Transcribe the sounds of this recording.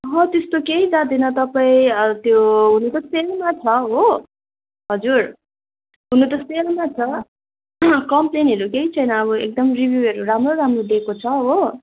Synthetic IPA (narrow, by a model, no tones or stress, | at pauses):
ɦʌ̃t̪est̪okeɦid͡zad̪inʌt̪ʌpaĩʌt̪joɦunut̪ʌselmat͡sʰʌɦo | ɦʌd͡zur | ɦunut̪ʌselmat͡sʰʌ | kʌmplenɦeɾukeɦit͡sʰʌjnʌːβʌḛk̚d̪ʌmribʱjuʌɾuramroɾamrod̪ekot͡sʰʌɦo